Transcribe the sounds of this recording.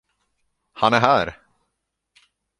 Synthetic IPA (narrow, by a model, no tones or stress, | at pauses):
hanæɾɦæːɾ